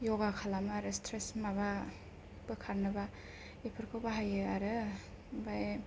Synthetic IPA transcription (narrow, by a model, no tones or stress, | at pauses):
jɔɡakʰalamaaɾɯstʰɾesmaβa | b̥ɯkʰaɾnɯba | epʰɯɾkʰɯwbaɦajɯaɾɯ | bae